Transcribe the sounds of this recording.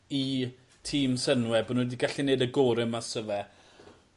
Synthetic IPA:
i | tʰiːmsənwɛbonwɛdiɡaɬineɨdəɡoɾɪmasəvɛ

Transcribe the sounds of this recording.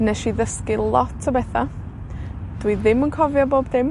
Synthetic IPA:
nɛʃiðəskɪlˠɔtʰəbɛθa | d̥wiðɪmənkʰɔvjɔboːbdɪm

